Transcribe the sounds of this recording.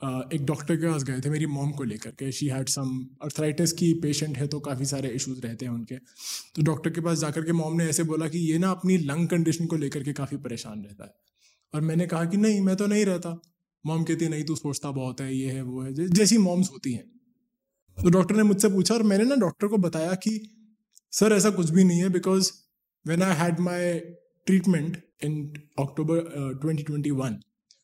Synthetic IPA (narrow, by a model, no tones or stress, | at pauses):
əeːk̚ɖɔːk̚ʈəɾkepaːs̬ɡɐet̪ʰemeːɾimɔːmkoleːkəɾkeʃiːɦɛːɖsɐmɐɾt̪ʰɾaːɪʈeskipeːʃə̃ɳʈɦɛt̪okaːfis̬aːɾeɪʃuzɾɛɦt̪eɦɛ̃ʊnke | t̪oɖɔːk̚ʈəɾkepaːs̬d͡ʒaːkəɾkemɔːmneɛːseboːlakijeːnaɐpnilɐ̃ŋɡkɐ̃ɳɖɪʃənkoleːkəɾkekaːfipɐɾeːʃa̰ːnɾɛɦt̪a̰ɦɛː | ɔːɾmɛ̃ːnekɐɦakinɐɦĩmɛ̃ːt̪̬onɐɦĩɾɛɦt̪a | mɔ̃ːmkɛːt̪iɦẽnɐɦĩt̪̬usoːt͡ʃt̪abɔːʊt̪ɦɛjeɦɛʋoɦɛd͡ʒɛd͡ʒɛːsimɔːmzɦoːt̪iɦɛ̰̃ː | t̪oːɖɔːk̚ʈəɾnemʊd͡ʒʱsep̬uːt͡ʃʰaɔːɾmɛ̃ːnenɐɖɔːk̚ʈəɾkobɐt̪aːjaki | sɐɾɛːs̬akʊt͡ʃʰbʱinɐɦĩɦɛbɪkɔːz | ʋɛ̃naɪɦɛɖmaɪ | ʈɾiːʈmɛ̃ɳʈ | ɪ̃nɔːk̚ʈoːbəɾʈwɛ̃ɳʈiʈwɛ̃ɳʈiʋɐ̃n